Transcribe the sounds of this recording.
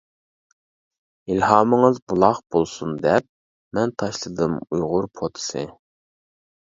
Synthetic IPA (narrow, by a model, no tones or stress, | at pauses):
ilhɑːmɨŋɨzbulˠɑχb̥olˠsund̪ɛp̚ | mɛnt̪ʰɑʃlˠɨd̪ɨmujʁʊɾpʰot̪ʰɨ̥sɨ